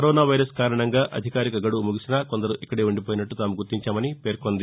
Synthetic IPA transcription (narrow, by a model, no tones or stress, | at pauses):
ɐɾɔːnaːʋɐjɾɐskaːɾɐɳɐŋɡaːʔɐ̰d̪ʱikaːɾikɐɡɐɽumuɡisinaːko̞nd̪ɐɾuʔikːɐɽeːʋuɳɖip̬oːjnɐʈːut̪aːmuɡuɾt̪ːiɲt͡ʃaːmɐnipe̞ːɾkond̪i